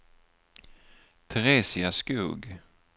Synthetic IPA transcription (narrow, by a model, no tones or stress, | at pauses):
t̪ʰɛɾeːsɪaskuːɡ